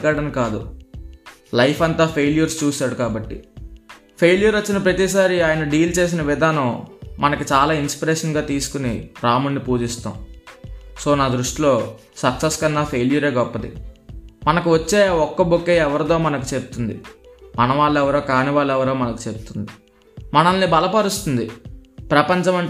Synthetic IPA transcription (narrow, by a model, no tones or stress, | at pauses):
kaːɽɐnkaːd̪ṵ | lɐjpʰɐnt̪aːpʰe̞ːlijɐɾst͡ʃuːsaːɽukaːbɐʈːḭ | pʰe̞ːljɐɾot͡ʃːinɐpɾɐt̪isaːɾiaːjɐnɐɖiːlt͡ʃe̞ːs̬inɐʋid̪ʱaːnɐmmɐnɐkut͡ʃaːlaːinspiɾeːʂɐnɡaːt̪iːsu̥kuniɾaːmunːipuːd͡ʒist̪a̰ːm | so̞ːnaːd̪ɾuʂʈilo̞ː | sɐkseskɐnːaːpʰe̞ːlijɐɾe̞ːɡɔpːɐd̪ḭ | mɐnɐkuʋɐt͡ʃːeːaːɔkːɐbokːeɛʋɐɾɐt̪o̞ːmɐnɐk̬u̥t͡ʃebut̪und̪ḭmɐnɐʋaːɭːɛʋɐɾoːkaːniʋaːɭːɛʋɐɾoːmɐnɐku̥t͡ʃe̞but̪und̪i | mɐnɐlnibɐlɐpɐɾust̪und̪ipɾɐpɐɲt͡ʃɐmɐɳ